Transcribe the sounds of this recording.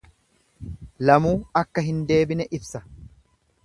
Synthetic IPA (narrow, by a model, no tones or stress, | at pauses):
lɐmuːɐkːɐɦɪnd̪e̞ːbɪnɛʔɪbsɐ